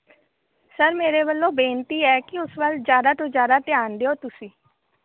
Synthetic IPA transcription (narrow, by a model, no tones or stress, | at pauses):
səɾmeːɾebəlːõːbẽːnt̪iːɛːkiʊsʋəlzjaːd̪at̪ozjaːd̪at̪jaːnd̪eoːt̪ʊsĩː